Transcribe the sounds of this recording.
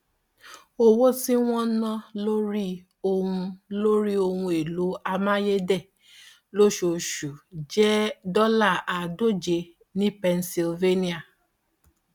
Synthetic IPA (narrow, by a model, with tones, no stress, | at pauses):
o˦wo˦ti˦w̃ɔ̃˦nã˦lo˦ɾi˦ | o˧hũ˧lo˦ɾi˦o˧hũ˧e˨lu˨˦a˧mã˦je˦dɛ˦˨ | lo˦ʃo˨ʃu˨d͡ʒɛ˦dɔ˦la˦˨a˨do˦˨d͡ʒe˧ | nĩ˦pɛ˧nsi˧lve˦nĩ˦a˨